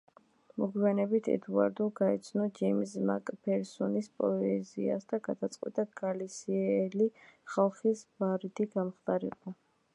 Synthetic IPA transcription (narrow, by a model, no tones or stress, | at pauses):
mɔɡwianɛbit̪ʰɛ̰d̪ua̰ɾd̪ɔɡaɛt̪sʰnɔd͡ʒɛmsmakʼpʰɛɾsɔnispʼɔɛzḭa̰sd̪aɡad̪at̪sʼqʼwɛ̰t̪ʼaɡalisiɛliχalˠχisbaɾit̪ʰiɡamχt̪aɾɛ̰ba